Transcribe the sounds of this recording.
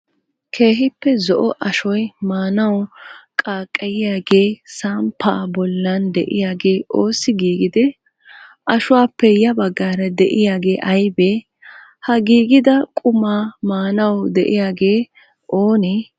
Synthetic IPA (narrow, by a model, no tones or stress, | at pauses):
kʰe̞ːɦɪpːɛzɔʔɔʔɐʃɔjmaːnɐwkʼaːkʼːɐjɪjaːɡe̞ːsaːmpʰːaːbɔlːɐnd̪ɛ̰ʔɪjaːɡe̞ːʔoːsːɪɡiːɡɪd̪ɛ | ʔɐʃʊwaːpːɛjɐbɐɡːaːɾɐd̪ɛʔɪjaːɡe̞ːʔɐjbeː | hɐɡiːɡɪd̪ɐkʼʊmaːmaːnɐwd̪ɛʔɪjaːɡe̞ː | ʔoːnɛ